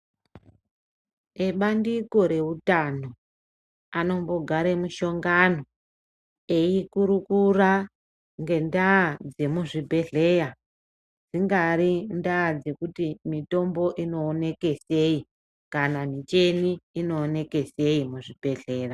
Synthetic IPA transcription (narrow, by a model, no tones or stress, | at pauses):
eɓandiko̞ɾe̞utano̞ | ano̞mbo̞ɡʱaɾemuʃo̞ŋɡano̞ | e̞ikuɾukura | ŋɡe̞ndaːd͡ze̞muʐibʱe̞ɮe̞ja | d͡ziŋɡaɾindaːd͡ze̞kutimito̞mbo̞ʔino̞ːne̞ke̞se̞i | kanamit͡ʃe̞niːno̞ːne̞ke̞se̞imuʐibʱe̞ɮe̞ːra